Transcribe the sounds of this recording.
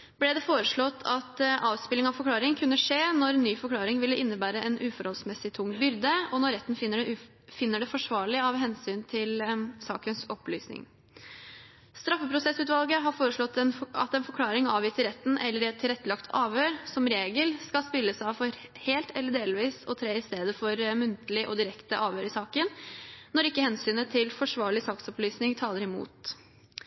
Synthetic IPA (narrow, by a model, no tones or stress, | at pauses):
blɛd̪ɛfoːɾəʂɭɔt̪ːʰɑt̪ʔɑːʋspɪlɪŋɑʋfɔɾklɑːɾɪŋənkʰʉnːəʂeːnɔɾnːyːfɔɾkʰlɑːɾɪŋʋɪlːəʔɪnːəbæːɾəʔɛnʔʉːfɔɾhɔlsmɛsɪt̪ʰʊŋːbʏɾd̪əɔnɔɾːɛt̪ːən̩fəɖ | fɪnːəɖɛfɔʂʋɑːɭɪɑʋɦɛnsyːnt̪ʰɪlsɑ̰ːkənsɔplyːsnɪ̰ŋ | st̪ɾɑfːəpʰɾʊsɛsʉːt̪ʋɑlɡəɦɑɾfoːɾəʂɭɔt̪ːɛnɑ̰t̪ɛnfɔɾkʰlɑːɾɪŋɑːʋjiːsəɾɛt̪ːn̩ʔɛlːəɾɪɛt̪ʰːɪlɾɛt̪ːəlɑkt̪ʰɑːʋhøːɾsɔmɾeːɡəlskɑlspɪlːəsɑʋfɔɾheːlt̪ʰɛlːəɖeːlʋiːsɔ̰t̪ʰɾeːɪst̪eːd̪əfɔɾmʉnt̪əlɪʔɔd̪ɪɾɛkt̪əʔɑːʋhøːɾɪsɑːkənnɔɾɪkːəhɛnsyːnət̪ʰɪlfɔʂʋɑːɭɪsɑːksɔplyːsnɪŋt̪ʰɑːləɾɪmṵːt̪